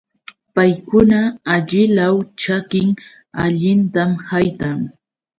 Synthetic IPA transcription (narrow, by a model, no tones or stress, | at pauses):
pajkʊnaːʎɪlawt͡ʃakɪŋ | aʎɪnt̪amhajt̪aŋ